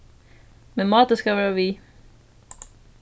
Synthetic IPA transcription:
mɛnmɑːt̪əskɑʋæːɾaʋiː

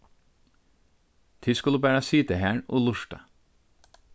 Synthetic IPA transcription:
t̪ʰɪskʉləbæːɾɑsiːt̪əhæːɳo̰ːlʊʃʈɑ̰

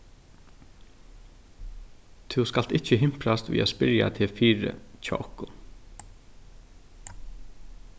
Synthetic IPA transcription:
t̪ʰʊskal̥t̪ɪt͡ʃːəɦɪm̥pɾast̪vḭːaspɪɾja̰t̪ʰɪfiːɾə̰t͡ɕʰa̰ːʔɔhkʊn

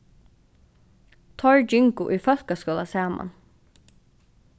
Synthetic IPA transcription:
t̪ʰɔɹd͡ʒɪŋkʊʔiːfœl̥kaskɔːlasaːma̰n

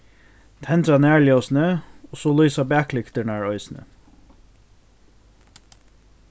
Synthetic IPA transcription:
t̪ʰɛnt̪ɾɑnæːɭjosn̩əɔsoːlyːsɑbæːklɪkt̪əɳæːɹɔʏsn̩ə̰

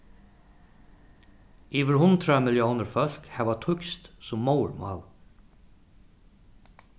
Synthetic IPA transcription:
iːʋɪɾhʊnt̪ɾamɪljoːnəɾfœl̥khɛʋat̪ʰʊkst̪sʊmːɔw̰ɹma̰ːl

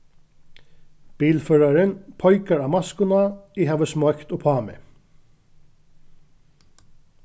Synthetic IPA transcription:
b̥iːlføːɹaɹənpʰɔʏkaɹɑːmɑskʊnaiːhɑːʋəsmɔkt̪oːpʰɑːmɪ̰

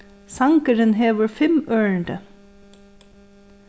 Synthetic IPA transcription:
sɑŋkəɾənɦeːʋəɹfɛmøːəɳɖə

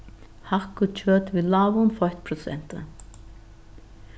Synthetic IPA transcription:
hahkʊt͡ʃʰœːt̪vɪðlavʊnfɔjt̪pʰɾɔsɛ̰n̥t̪ɪ̰

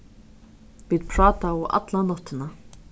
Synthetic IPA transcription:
viːd̪pʰɾɑːt̪aʊʔa̰t̪lanɔt̪ːɪna

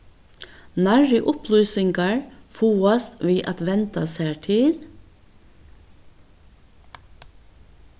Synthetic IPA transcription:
næɹəʔʊpʰlyːsɪŋɡɑɹfuːɔst̪ʋiːʔɑt̪ʋɛnt̪ɑsæːʈʰɪl

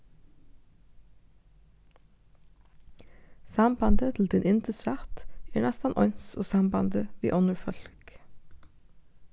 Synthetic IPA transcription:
sɑmbɑnd̪ət̪ʰl̩d̪ɪnʔɪnt̪əsɾɑt̪æːɹnɛst̪ɑnʔɔʏnsoːsɑmbɑnd̪əʋḭːʔɔnəɹfœlk

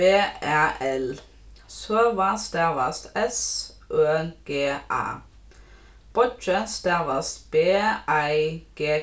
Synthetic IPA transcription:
b̥eːæʔɛl | søːʋɑst̪æʋɑst̪ɛsʔøːɡ̥eːʔɑ̰ː | b̥ɔt͡ʃəst̪æʋɑst̪b̥eːæɪɡ̥eː

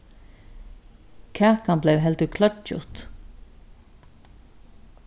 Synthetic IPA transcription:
kʰæːkanblɛwɦɛlt̪əkʰlœʈ̚t͡ʃʊ̰t̪

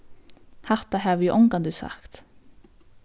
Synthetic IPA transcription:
hɑʁt̪ɑhɑːʋjʉːʔɔŋɡɑnd̪ʉːsɑ̰kt̪

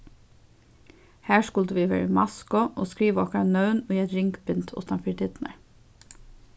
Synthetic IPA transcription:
hæːʃkʉlt̪əʋiːʋḛːɹəmɑskɔʔo̰ːskɹiːʋəɔkɑnœʉnoːiːɛt̪ɾɪŋkbɪnt̪ʰʊ̰st̪ɑnfid̪ɪd̪nə̰ɹ

